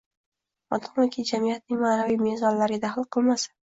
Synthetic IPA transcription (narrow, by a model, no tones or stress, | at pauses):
ɒt̪ʰɒmɪkʲʰid͡ʒamijat̪̚nɪŋmaːnavijmezɒnlaɾɡʲad̪aχlˠqʰɨlˠmasḁ